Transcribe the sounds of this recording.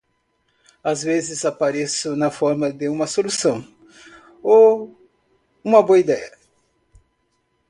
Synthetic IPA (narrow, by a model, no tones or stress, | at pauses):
azvezɪzapaɾesʊnɐfɔɾmɐd̪eũmɐsolusɐ̃w̃ | o | ũmɐboɐid̪ɛjɐ